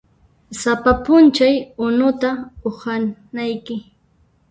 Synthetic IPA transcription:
sapapʊnt͡ʃajʊnʊt̪aʊhanajkɪ

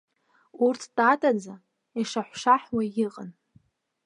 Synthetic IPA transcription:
urtʰd̥ʼatʼad͡za | iʂaħʷʂaħwajɪqʼən

